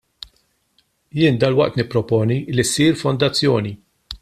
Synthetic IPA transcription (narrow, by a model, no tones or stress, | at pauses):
jɪːnd̪ɐlwɐʔt̪nɪpːɾɔpɔːnilːisiːɾfɔnd̪ɐt͡sːjɔːni